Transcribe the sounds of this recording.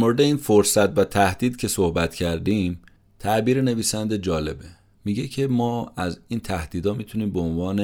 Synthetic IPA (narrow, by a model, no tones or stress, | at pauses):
moɾed̪eiːnfoɾsæt̪væt̪ʰæhd̪̥iːd̪cʰe̞sohbæt̪cʰæɾd̪iːm | t̪ʰæʔbiːɾene̞viːsænd̪e̞d͡ʒɒːle̞be | miɟecʰe̞mɒːæziːnt̪ʰæhd̪iːd̪ɒːmit̪ʰuniːmbeonvɒːne